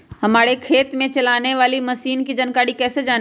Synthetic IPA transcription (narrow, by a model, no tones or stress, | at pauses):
hɐmaːɽekʰeːt̪mẽt͡ʃɐlaːneʋaːlimɐsiːnkid͡ʒɐnkaːɽikɛːsed͡ʒaːn